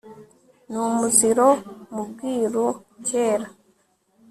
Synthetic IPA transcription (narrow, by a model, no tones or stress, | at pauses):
numuziɾo̞mubɡiːɾuceːɾa